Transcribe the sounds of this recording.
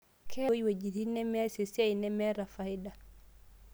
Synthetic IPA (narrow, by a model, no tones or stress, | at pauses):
kʰɛjwed͡ʒitinɛmɛsesiajnɛmɛɾafajda